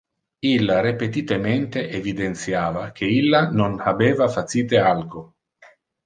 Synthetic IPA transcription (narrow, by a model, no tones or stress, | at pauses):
ilːaɾipet̪it̪ement̪eʔevid̪ent̪sjaːvak̟ʰeilːanonabeːvafasiːt̪ealɡo